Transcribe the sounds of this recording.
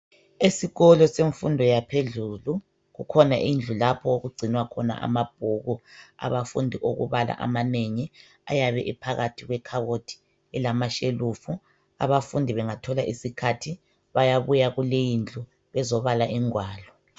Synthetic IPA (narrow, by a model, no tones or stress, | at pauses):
esiɣɔlɔseɱfundʱɔjapʰeɮulu | ɣukʰɔna̰ʔind͡ɮʱulapʰɔoɣuɡ͡ǀʱinwakʰɔna̰ʔa̰mab̥ʱuːɣua̰βafṵndʱiʔoɣṵβala̰ʔa̰maneŋi | a̰jaβɛʔipʰaɣatʰiɣwɛkʰaβotʰi̥ | ɛlamaʃelufu | a̰βafundʱiβɛŋatʰɔlaʔisikʰatʰi | βajaβujaɣulejind͡ɮʱu | βɛzɔβalaʔiŋwaːlɔ